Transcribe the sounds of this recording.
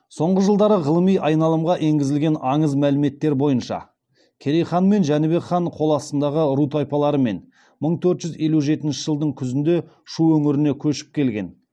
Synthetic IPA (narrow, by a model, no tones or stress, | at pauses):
so̞ɴʁəʒəlˠd̪ɑɾəʁəlˠəmijʔɑjnɑlˠəmʁɑʔe̞ŋɡʲɪzɪlɡʲe̞nɑɴəzmælɪme̞t̪ːe̞ɾbo̞jənʃɑ̰ | kʲʰe̞ɾejχɑnme̞nʒænɪbe̞kχɑɴqʰo̞lˠɑsənd̪ɑʁəɾut̪ojpɑlˠɑɾəme̞̰n | məɴt̪ʰɵɾt̪ʒʏzje̞luʒe̞t̪ɪnʃɪʒəlˠd̪əɴkʲʰʏzɪnd̪e̞ | ʃuɵŋɪɾɪne̞kʲʰɵʃɪ̥p̚kʲʰe̞lɡʲe̞̰n